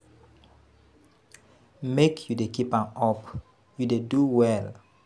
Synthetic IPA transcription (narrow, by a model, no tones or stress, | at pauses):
mekʰjudekipãmɔp | judeduwɛl